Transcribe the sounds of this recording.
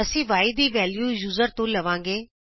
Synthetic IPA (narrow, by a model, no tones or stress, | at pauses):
ɐsĩʋaːɪd̪iʋɛːljuːjuːzəɾt̪õlɐʋãːŋɡeː